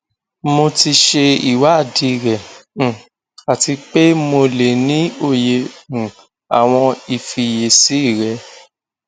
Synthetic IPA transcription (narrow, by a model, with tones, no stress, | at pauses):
mo˧ti˧ʃe˧i˨wa˨˦˨di˨˦˨ɾɛ̃˨ | a˨ti˧k͡pe˦mo˧le˨nĩ˨˦o˦˨je˧˨ũ˨ | a˨w̃ɔ̃˧i˨fi˧je˨si˨˦i˦˨ɾɛ˧˦